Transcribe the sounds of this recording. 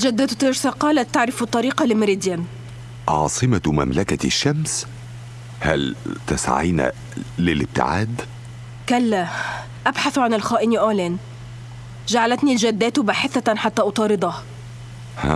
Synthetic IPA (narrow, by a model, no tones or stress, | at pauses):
d͡ʒæd̪ːæːt̪t̪eɾsɑqɑːlæt̪ːaʕɾɪft̪ˤːɑɾiːqɑlɪmɪɾid̪jæn | ʔɑ̰ːsˤɨmamæ̰mlækæʃːæms | hæ̰lt̪a̰sa̰ʕḭjnæ̰ | lɪlɪb̚t̪ɪ̰ʕa̰ːd̪ | kælːæ | ʔabħaθʕanɪlxɑːʔɪniʔaːlæːn | ʒaʕalæt̪nild͡ʒæd̪ːæːt̪baːħɪθæħat̪ːæːʔɑt̪ˤɑːɾɨd̪ˤɑh | hæ̰